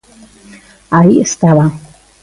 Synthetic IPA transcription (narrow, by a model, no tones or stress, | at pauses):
aiəst̪aβa